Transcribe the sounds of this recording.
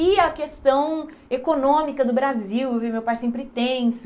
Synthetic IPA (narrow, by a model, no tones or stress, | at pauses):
iɐkest̪ɐ̃w̃ekonõmikɐd̪ʊbɾaziwevimewpajsẽmpɾɪt̪ẽsʊ